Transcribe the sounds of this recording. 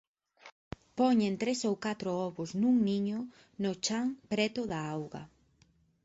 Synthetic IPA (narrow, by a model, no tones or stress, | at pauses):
pɔɲent̪ɾesowkat̪ɾoɔβʊsnuŋniɲʊ | nʊt͡ʃaŋpɾɛt̪ʊðaawɣɐ̰